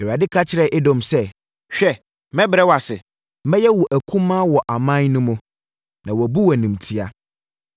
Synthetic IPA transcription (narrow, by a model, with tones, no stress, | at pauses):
e˨a˨dɪ˦kʰa˦t͡ɕʰɪ˦ɾɛ˦ʔɛ˦dɔ̃˦˨msɛ˦ | ɕᶣɛ˦ | mɛ̃˦bɪ˨ɾɛ˦wa˨sɪ̰˨ | mɛ̃˦jɛ˦wɔ˨ʔæ˨kʰũ˦mːã˦wɔ˨ʔa˨mã˦nnʊ̃˦mʊ̃˨ | nã˨wɔ˨bu˦wæ˨nũ˨m˨tʰi˦a˦